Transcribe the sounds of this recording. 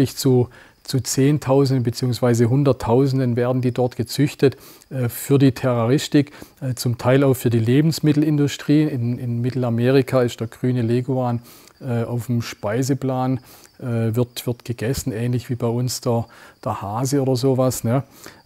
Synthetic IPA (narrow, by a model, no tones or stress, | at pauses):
lɪçt͡su | t͡sut͡seːntʰaʊzn̩dən̩bət͡siːʊŋsv̥aɪzəɦʊndɐtʰːaʊzn̩dənveːɐdn̩diːdɔɐtɡ̥ət͡sʏçtət | ɛːfyːɐdiːtʰɛʁoʁɪstɪkɛːt͡sʊmtʰaɪlaʊxfyːɐdiːleːbn̩smɪtl̩ɪndʊstʁ̥iːnɪnɪnmɪtl̩ameːʁɪkʰaɪstd̥eːɐɡ̥ʁyːnəleːɡuaːn | ʔɛːʔa̰ʊfm̩ʃpaɪzəplaːn | ʔɛːvɪɐtv̥ɪɐtɡ̥əɡɛsn̩ɛːnlɪçv̥iːbaɪʊnsd̥eɐd̥ɐɐhaːzəoːdɐzoːvasnə